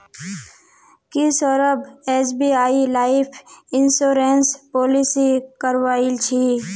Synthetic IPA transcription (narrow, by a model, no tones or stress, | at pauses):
kɪsɔɾəbeːsbiaːilaːɪpʰɪnsoːɾeːnspoːlɪsikəɾʋaːit͡ʃʰi